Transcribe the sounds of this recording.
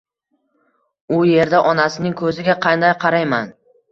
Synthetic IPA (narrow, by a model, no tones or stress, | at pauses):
ʊje̞ɾd̪aʔɒnasɪnɪŋkʰɵzɪɡʲaqʰɑnd̪ajqʰɑɾajman